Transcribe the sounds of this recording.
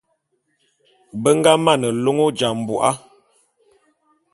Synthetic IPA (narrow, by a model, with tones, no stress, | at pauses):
bə˦ŋ˦ɡa˦ma˦˨nə˨lo˦ŋo˦d͡ʒa˨m̩˨bu˨ʔa˦